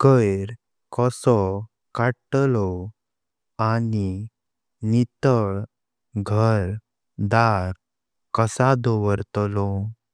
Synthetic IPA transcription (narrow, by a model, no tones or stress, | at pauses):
kəjɾ | kɔsɔ | kaʈlɔ | ani | nit̪əɭ | ɡʱəɾ | d̪aɾ | kəsad̪ɔʋəɾt̪lɔ